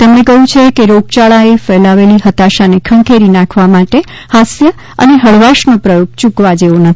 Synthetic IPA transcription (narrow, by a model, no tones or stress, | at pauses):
t̪emnekəɦũt͡ʃʰekeɾoɡ̚t͡ʃaɭaefɛlaʋeliɦət̪aʃanekʰəŋkʰeɾinãkʰʋamaʈe | hasjə | ə̰neɦəɭʋaʃnopɾəjoɡ̚t͡ʃukʋad͡ʒeʋonət̪ʰi̥